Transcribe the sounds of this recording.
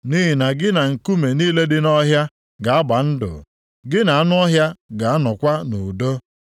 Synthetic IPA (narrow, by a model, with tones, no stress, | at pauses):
ni˦ɦi˨na˨ɡɪ˦na˨ŋ̩˨ku˦me˨ni˦le˦dɪ˦nɔ˦ɦja˦ | ɡa˨a˦ba˨n̩˦dʊ̰˨ | ɡɪ˦na˨a˦nʊ˦ɔ˦ɦja˦ɡa˨a˦nɔ˨kʷa˦nʊ˨do˦